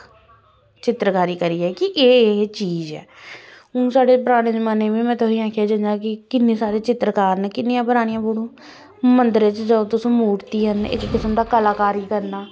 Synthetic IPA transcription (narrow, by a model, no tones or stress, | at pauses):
t͡ʃɪt̪ːɾkaːɾiːkəɾiːɛːkɪʔeːt͡ʃiːzɛ̰ː | ũːsaːɖeːpəɾaːɽ̃eːd͡ʒəmaːneːʋĩːmɛ̃ːt̪ʰoːĩːãːkʰjaːd͡ʒə̃d͡ʒaːk̬ɪkɪnːẽːsaːɾeːt͡ʃɪt̪ːɾəkaːɾnɛkɪnːɪjãːpəɾaːɽɪ̃jãːpoɽõː | mənd̪əɾt͡ʃd͡ʒəot̪ʊsũːmuːʈt̪iːɦənɪ̰kkɪsəmd̪aːkəlaːkaːɾiːkəɾnaː